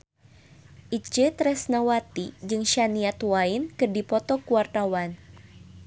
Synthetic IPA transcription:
ʔit͡ʃət̪ɾɛsnawat̪id͡ʒɨŋʃaniat̪wainkɨrdipɔt̪ɔkuwart̪awan

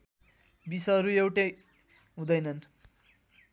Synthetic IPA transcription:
bisʌʌɾuewʈe | ɦũd̪ʌjnʌn

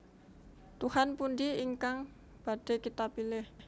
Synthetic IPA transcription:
t̪uhanpundiiŋkaŋ | b̥ad̥e̤kit̪apilɪh

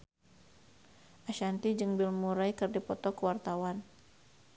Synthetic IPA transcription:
ʔaʃant̪id͡ʒɨŋbilmuɾajkɨrdipɔt̪ɔkəwart̪awan

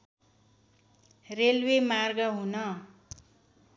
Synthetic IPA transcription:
relwemarɡʌɦunʌ

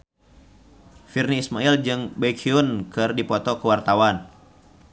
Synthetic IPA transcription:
firniːsmaild͡ʒɨŋbekʰiunkɨrdipɔt̪ɔkəwart̪awan

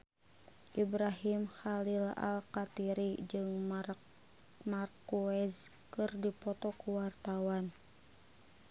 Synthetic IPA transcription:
ʔibɾaɦimxalila̰lkat̪iɾid͡ʒɨŋ | markuɛz | kɨrdipɔt̪ɔkuwart̪awan

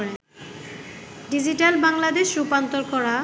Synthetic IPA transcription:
ɾe | ɖid͡ʑiʈalbaŋlad̪eʃɾupant̪oɾkɔɾa

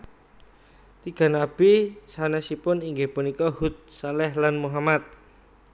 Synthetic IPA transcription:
t̪iɡ̥a̤nab̥isanɛsipʊniŋɡepunikɔhut̪̚salɛhlanmuɦamat̪̚

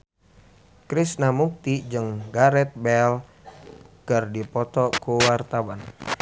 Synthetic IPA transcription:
kɾisnamuk̚t̪id͡ʒɨŋɡaɾɛt̪̚bɛl | kɨrdipɔt̪ɔkuwart̪awan

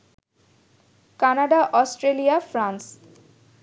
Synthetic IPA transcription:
kanaɖaʔɔsʈɾelijafɾans

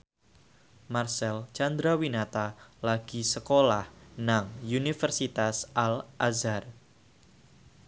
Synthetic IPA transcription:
marsɛlt͡ʃand̪ɾawinat̪alaɡ̥isəkolahnaŋunifərsit̪asʔalʔazar

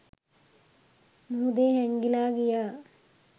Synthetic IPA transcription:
nuud̪eːɦeŋɡilaːɡija

